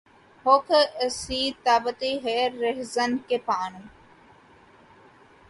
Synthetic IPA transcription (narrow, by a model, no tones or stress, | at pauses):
hokʰəsiːt̪aːbət̪iɦeːɾːeɦzɐnkepaːnm